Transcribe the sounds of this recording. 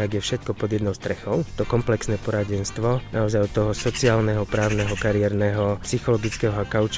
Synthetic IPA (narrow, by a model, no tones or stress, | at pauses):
aɡjɛfʃɛt̪̚kɔpɔd̪jɛd̪nɔʊst̪ɾɛxɔʊt̪ɔkɔmplɛksnɛːpɔɾaɟɛnst̪ʋɔnʔaɔzajɔt̪ːɔɦɔsɔt͡siaːlnɛɦɔpɾaːʊnɛɦɔkaɾɪjɛɾnɛɦɔpsixɔlɔɡit͡skɛːɦɔakaʊt͡ʃ